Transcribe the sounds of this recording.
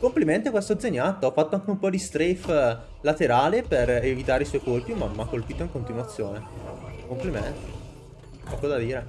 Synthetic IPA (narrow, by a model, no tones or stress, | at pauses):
kompliment̪ekwɛst̪od̪zːeɲːat̪ːoɔfːat̪ːoaŋkeumpɔd̪ist̪ɾef | lat̪eɾaːleperevit̪aːɾeiswɔjkorpimamːakːolpiːt̪oiŋkont̪inwat̪sːjoːnekompliment̪e | pɔkod̪ad̪iːɾe